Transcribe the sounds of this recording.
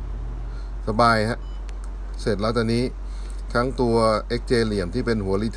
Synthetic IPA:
sa˧baː˧jha˦˥ʔ | se˨˩t̪̚laː˦˥wt͡ɕa˧niː˦˥ | kʰa˦˥ŋt̪u˧ɐʔe˦˥k̚t͡ɕeː˧li˨˩əmt̪ʰiː˥˩pe˧nɦu˩˦ɐli˦˥t̪ʰ

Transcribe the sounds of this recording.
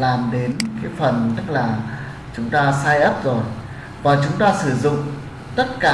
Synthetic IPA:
laː˨˩mɗe˨˦nka˨˦jfə˨˩nt̪ə˦˥k̚laː˨˩ | t͡ɕʊ˨˦ŋ͡mt̪aː˧saː˧jʔə˦˥p̚zo˨˩j | vaː˨˩t͡ɕʊ˨˦ŋ͡mt̪aː˧sɨ˧˩zʊ̰˧˨ŋ͡m | t̪ə˦˥t̚kaː˧˩

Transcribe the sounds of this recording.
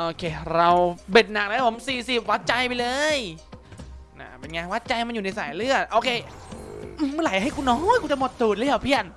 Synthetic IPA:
ʔoː˧kʰeː˧ɾa˧wbe˨˩t̪̚na˨˩k̚laː˦˥wpʰo˩˦msiː˨˩si˨˩p̚wa˦˥t̪̚t͡ɕa˧jpa˧jlɤː˧j | na̰˧˩pe˧nŋaː˧nwa˦˥t̪̚t͡ɕa˧jma˧njuː˨˩na˧jsaː˨˩˦jlɯ˥˩ət̪̚ʔoː˧kʰeː˧ | ʔɯ˧˩mɯː˧˥˨la˨˩˦jɦa˥˩jkuː˧nɔː˦˥˨jkuː˧t͡ɕa˧˨˩mo˨˩t̪̚suː˨˩t̪̚lːja˨˩pʰi˧˥˩ən̚

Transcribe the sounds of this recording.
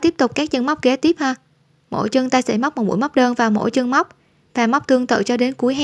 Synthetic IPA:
t̪i˦˥əp̚t̪ʊ˨˩k͡p̚kaː˦˥k̚ɲə˧ŋma˦˥wk͡p̚kɛ˨˦t̪i˦˥əp̚həː˧ | mo̰˧˥˩jt͡ɕɨ˧əŋt̪aː˧jsɛ̰˧˩jma˦˥k͡p̚m̚˨˩ɓu˧˥jma˦˥k͡p̚ɗəː˧nvaː˨˩wmo̰˧˥jt͡ɕɨ˧əŋma˦˥wk͡p̚ | vaː˨˩ma˦˥k͡p̚t̪ɨ˧əŋt̪ɨ̰˧˨t͡ɕɔ˧ɗe˨˦nku˨˦əjɦ

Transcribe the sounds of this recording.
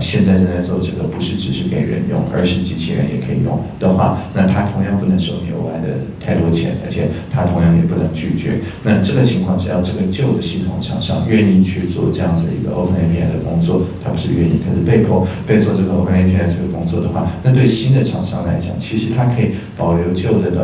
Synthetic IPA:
ɕjɛ˥˧nt͡sa˥˧ɪʂə˥˧nt͡sa˥˧ɪt͡swɔ˥˩˧ʈ͡ʂɤ˥˩ɡə˧˩pu˧˥ʂɻ̩˥˩ʈ͡ʂɻ̩˨˩ʂɻ̩˥˩kḛ˧˨˩ɪ˩ɻə̰˧˥njʊ̰˥˩ŋə̰˞˧˥ʂɻ̩˥˩t͡ɕi˧˥t͡ɕʰḭ˥ɻə̰˧˥njɛ̰˨˩kʰɤ˧˥i˨˩jʊ̰˥˩ŋd̪̥ə˨xwa̰˥˩na˥˩t̪ʰa˥t̪ʰʊ˧˥ŋjɑ˥˧ŋpu˥˩nə˧˥ŋʂo˨˩ʊnjo̰˧˥ʊa˧˥ɪd̪ə̰˧t̪ʰa˥˩ɪt̪wɔ˥t͡ɕʰjɛ̰˧˥nə̰˞˧˥t͡ɕʰjɛ˨˩t̪ʰa˥t̪ʰʊ˧˥ŋjɑ˥˩ŋjɛ˨˩pu˥˩nə˧˥ŋt͡ɕy˥˩t͡ɕɥɛ̰˧˥ | na˥˧ʈ͡ʂɤ˥˩ɡə˩t͡ɕʰi˧˥ŋkʰwɑ˥˧ŋʈ͡ʂɻ̩˨˩jɑ˥˧ʊʈ͡ʂɤ˥˩ɡə˩t͡ɕjo˥˩ʊd̪ə˩ɕi˥˩t̪ʰʊ̰˨˩˦ŋʈ͡ʂʰɑ̰˨˩ŋʂɑ̰˥˧ŋɥɛ˥˧ni˥˧t͡ɕʰy˥˧t͡swɔ̰˥˩ʈ͡ʂɤ˥˧jɑ˥˩ŋd͡z̩˨˩d̪ə̰˩i˧˥ɡə̰˧ʔo˥pʰə˧˥ne˥˧pʰi˥˩a˧˩d̪ə̰˩kʊ˥ŋt͡swɔ˥˩t̪ʰa˥pu˧˥ʂɻ̩˥˧ɥɛ˥˧ni˥˩ŋk̪ʰa˥ʂɻ̩˥˧pe˥˧ɪkʰo˥˧ʊpe˥˧ɪt͡swɔ˥˧ʈ͡ʂɤ˥˩ɡə˩o˥ʊpʰə˧ne˥˧pʰi˥˧˩ʈ͡ʂɤ˥˩ɡə˩kʊ˥ŋt͡swɔ˥˩d̪ə˩xwa˥˩na˥˧t̪we˥˩ɪɕi˥nd̪ə˨ʈ͡ʂʰɑ̰˨˩ŋʂɑ̰˥˩ŋla˧˥ɪt͡ɕjɑ̰˨˩ŋt͡ɕʰi˧˥ʂɻ̩˧˥t̪ʰa˥kʰɤ˧˥i˨˩pɑ˨˩ʊljo˧˥ʊt͡ɕjo˥˩ʊd̪ə˩ə˩

